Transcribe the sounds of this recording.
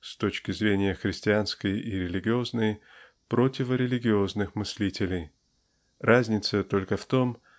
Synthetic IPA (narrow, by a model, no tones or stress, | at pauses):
st̪o̞t͡ɕkʲɪzɾʲenʲɪjəxɾʲɪsʲtʲɪanskəjiɾʲɪlʲɪɡʲɪo̞znəj | pɾo̞tʲɪvəɾʲɪlʲɪɡʲɪo̞znɨxmɨsʲlʲitʲɪlʲɪj | ʔazʲnʲɪt̪sət̪o̞lʲkəft̪o̞m